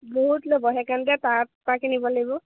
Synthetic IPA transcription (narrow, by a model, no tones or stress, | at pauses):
boɦutlobɔɦɛkandɛtatpakinibɔlebɔ